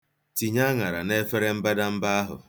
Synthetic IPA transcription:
ti˨ɲa˦ŋa˨ɾa̰˨ne˦fe˦ɾe˦m̩˦ba˦da˦m̩˦ba˦a˦ɦʊ̰˨

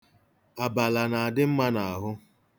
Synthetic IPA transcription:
a˨ba˨la˨na˨a˨dɪ˦m̩˦ma˦na˨a˨ɦʊ˦

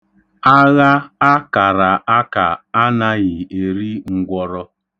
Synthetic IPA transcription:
a˦ɣa˦a˦ka˨ɾa˨ʔa˦ka˨a˦na˦ɣɪ˨e˨ɾi˦ŋ̩˦ɡʷɔ˦ɾɔ˦

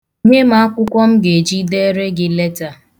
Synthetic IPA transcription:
ɲe˦ma˦a˦kʷʊ˦kʷɔ˦m̩˦ɡe˨d͡ʒi˦de˦ɾe˦ɡɪ˦le˦ta˨

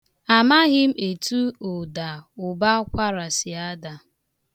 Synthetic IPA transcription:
a˨ma˦ɣɪ˦m̩˦e˨tu˦o˨da˨ʊ˨ba˦kʷa˦ɾa˨sɪ˨a˦da˨

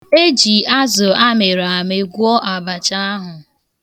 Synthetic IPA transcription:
e˦d͡ʒi˨a˦zʊ˨a˦me˨ɾa˨a˨me˨ɡʷu˦ɔ˦ʔa˨ba˨t͡ʃa˦a˦ɦʊ˨

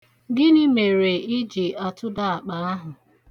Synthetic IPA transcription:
ɡɪ˦ni˦me˨ɾe˨ɪ˦d͡ʒi˨a˨tʊ˦da˦a˨k͡pa˨a˦ɦʊ˨

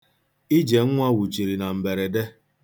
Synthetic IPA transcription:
i˦d͡ʒe˨ŋ̩˦ŋʷa˦wu˨t͡ʃi˨ɾi˨na˨m̩˨be˨ɾe˨de˦

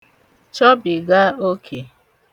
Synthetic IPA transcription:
t͡ʃɔ˦bi˨ɡa˦o˦kʰe˨

